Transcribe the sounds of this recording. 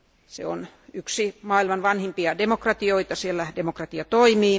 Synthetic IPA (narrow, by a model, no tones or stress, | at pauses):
sḛon | yksimɑːilmɑnʋɑnhimpiɑdemokrɑt̪ioit̪ɑsielːædemokrɑt̪iɑt̪oimiː